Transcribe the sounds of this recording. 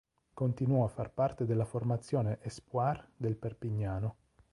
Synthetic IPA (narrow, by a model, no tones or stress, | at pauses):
kont̪inwɔafːarpart̪ed̪elːaformat̪sːjɔːneʔɛspward̪elperpiɲːaːno